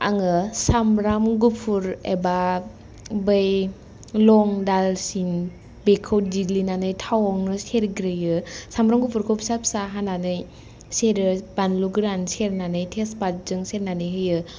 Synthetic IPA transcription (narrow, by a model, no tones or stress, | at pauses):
a̰ŋɯsamɾamɡupʰuɾḛba | bɯj | lɔŋdalsin | bekʰowdilinanɯjtʰawɔŋnɯseɾɡɾɯjɯsamɾamɡupʰuɾkʰopsap̚saɦananɯj | seɾɯbanluɡɾanseɾnanɯjtʰespat̚zɯŋseɾnanɯjɦɯjɯ